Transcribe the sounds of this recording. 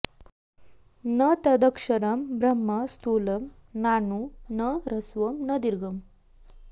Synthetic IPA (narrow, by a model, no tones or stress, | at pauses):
nɐt̪ɐd̪ɐkʂɐɾɐmbɾɐmːɐst̪uːlɐm | naːnunɐɾɐsʋɐmnɐd̪iɾɡʱɐm